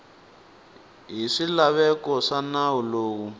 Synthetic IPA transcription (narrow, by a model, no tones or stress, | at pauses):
ɦiʂilaβɛkɔʂanawuloːwu